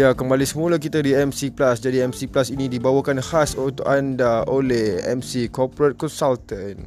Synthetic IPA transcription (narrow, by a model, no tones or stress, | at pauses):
jakəmbalisəmũlak̬it̪adiɛmsiplasd͡ʒadiɛmsiplasinĩdibawakanhasut̪ʊʔandaolɛhɛ̰msikɔpɾət̪̚kɔnsalt̪ən